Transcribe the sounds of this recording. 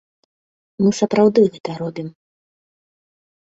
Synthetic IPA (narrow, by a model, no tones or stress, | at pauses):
mɨsɐpɾawd̪ɨɣɛt̪ɐɾɔbʲim